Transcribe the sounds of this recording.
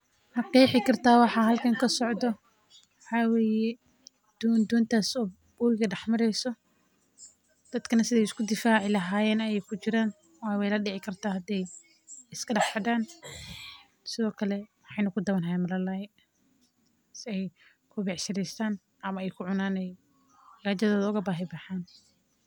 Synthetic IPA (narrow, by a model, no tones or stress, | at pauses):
hɐqɛjħɪkʰɐrt̪ʰaːwɑħɑːɦɐlkʰɐŋkʰɐsɔʕd̪ɔ | wħɑːwɛːjɛ | d̪̥ɔːnd̪ɔːnt̪ʰaːsɔː | buːjɣɐɖɑħmɐɾɛjsɔ | d̪̥ɐd̪kʰɐnɐsɪðɛjɪskʊd̪ɪfaːʕɪlɐɦaːjɛːnɐjɛjkʰʊt͡ʃɪɾaːn | wajwɛjlɐɖɪʕɪkʰɐrt̪ʰaːhɐd̪ɛj | ɪskʰɐɖɑħħɐðaːn | sɪðɔːkʰɐlɛmħɑjnɐkʰʊd̪ɐwɐnɦajɛːnmɐlɐlajɛ | sɪɛj | kʰʊbɛʕʃɪɾɛjst̪ʰaːn | ʔɐmɐɛjkʰʊʕʊnaːnɛj | ɡaːt͡ʃɐðɔːðɐʊɣɐbaːɦɪbɑħaːn